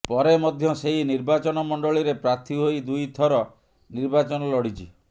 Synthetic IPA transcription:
pɔɾemɔd̪ʱjɔseɦiniɾbat͡ʃɔnɔmɔɳɖɔɭiɾepɾaɾt̪ʰiɦojd̪ujt̪ʰɔɾɔ | niɾbat͡ʃɔnɔlɔɽit͡ʃʰi

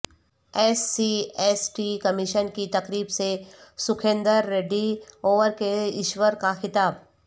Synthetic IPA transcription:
ɛːsːiɛsʈikɐmɪʃənkit̪ɐkɾiːbsesʊkʰẽːnd̪əɾːeːɖioːʋəɾkeɪʃwəɾkaxɪt̪aːb

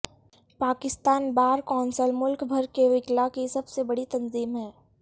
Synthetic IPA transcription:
paːkɪst̪aːnbaːɾkɔːnsəlmʊlkbʱɐɾkeʋɪklakisɐbsebɐɽit̪ɐ̃nziːmɦɛː

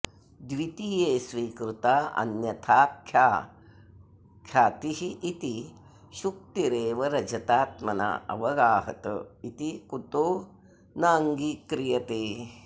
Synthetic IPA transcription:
d̪ʋit̪ijeːsʋiːkɾut̪aːʔɐ̰njɐt̪ʰaːpʰːjaː | kʰjaːt̪iɦiʔːt̪i | ʃuk̚t̪iɾeːʋɐɾɐd͡ʒɐt̪aːt̪mɐna̰ːʔɐ̰ʋɐɡaːɦɐ̰t̪ə̰it̪ikut̪oː | naːŋɡikɾijɐt̪eː

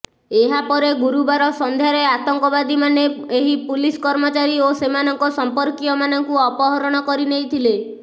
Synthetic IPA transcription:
eɦapɔɾeɡuɾubaɾɔsɔnd̪ʱjaɾeat̪ɔŋkɔbad̪imaneeɦipuliskɔɾmɔt͡ʃaɾiosemanɔŋkɔsɔmpɔɾkiɔmanɔŋkuɔpɔɦɔɾɔɽ̃ɔkɔɾinejt̪ʰile

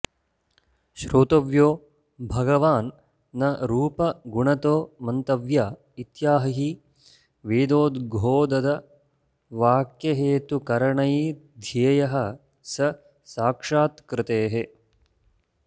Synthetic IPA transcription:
ʃɾoːt̪ɐʋjoː | bʱɐɡɐʋaːnː | ɐɾuːpɐɡuɳɐt̪oːmɐnt̪ɐʋjaː | it̪jaːɦɐɦi | ʋeːd̪oːd̪ɡʱoːd̪ɐd̪ɐ | ʋaːkjɐɦeːt̪ukɐɾɐɳɐji | d̪ʱejjɐɦɐ̆ | sɐ | saːkʂaːt̪kɾɪt̪eːɦe

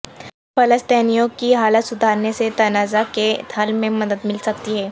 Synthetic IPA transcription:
pɐləst̪ɛːnijõkiɦaːlət̪sʊd̪ʱaːɾneset̪ɐnaːzaket̪ʰəlmẽmɐd̪əd̪mɪlsɐk̚t̪iɦɛː

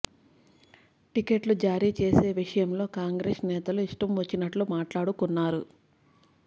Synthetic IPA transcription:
ʈikeʈlud͡ʒaːɾiːt͡ʃe̞ːse̞ːʋiʂɐjɐmlo̞ːkaːŋɡɾeːʂnɛːt̪ɐluiʂʈɐmʋɐt͡ʃːinɐʈlumaːʈlaːɽukunːaːɾu

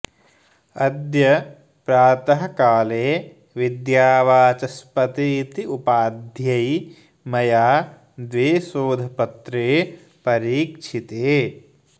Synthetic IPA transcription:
ɐd̪jɐ | pɾaːt̪ɐɦɐkaːleː | ʋid̪jaːʋaːt͡ʃɐspɐt̪iːt̪iupaːd̪ʱjɐj | mɐjaː | d̪ʋeːsoːd̪ʱɐpɐt̪ɾeː | pɐɾiːkʂʰit̪eː

